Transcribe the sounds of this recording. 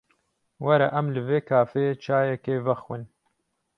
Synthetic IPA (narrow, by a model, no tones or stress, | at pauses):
wɐɾa̰ʔɐmlɨveːkʰaːfeːt͡ʃʰaːjɛkeːvɐxwɨn